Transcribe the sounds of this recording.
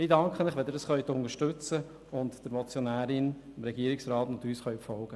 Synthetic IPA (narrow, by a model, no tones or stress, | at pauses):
ɪdɑŋkχənɪχʋɛd̪ɪɾdɑsχœʏɥt̪ʊnəɾʃtɵt͡sə | ʊntd̥əɾmɔt͡sjonæːɾɪnɪmɾɛɡ̥iːɾɪksɾɑːtnt̪yːsχœʏfɔlɡə